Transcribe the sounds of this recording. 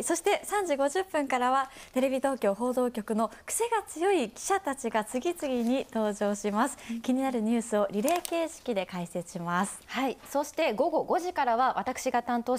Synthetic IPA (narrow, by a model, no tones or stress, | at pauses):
so̞ɕi̥t̪e̞sãɲ̟d͡ʑiɡo̞ʑɨpːɯ̟̃ŋkaɾaβat̪e̞ɾe̞bʲit̪o̞ːkʲo̞ːɦo̞ːd̪o̞ːkʲo̞kɯ̟no̞kɯ̟̥se̞ɡat͡sɨjo̞ikʲi̥ɕat̪at͡ɕiɡat͡sɨɡʲit͡sɨɡʲiɲ̟it̪o̞ːʑo̞ːɕimasɨ̥kʲiɲ̟inaɾɯ̟ɲ̟ɨːsɨo̞ɾʲiɾe̞ːke̞ːɕi̥kʲid̪e̞kaise̞ɕimasɨ̥haiso̞ɕi̥t̪e̞ɡo̞ɡo̞ɡo̞ʑikaɾaβ̞aβat̪akɯ̥ɕiɡat̪ãnt̪o̞ː